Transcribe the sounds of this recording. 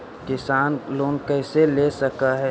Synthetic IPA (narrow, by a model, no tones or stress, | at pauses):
kɪsaːnloːnkəɪselesəkaɦɛ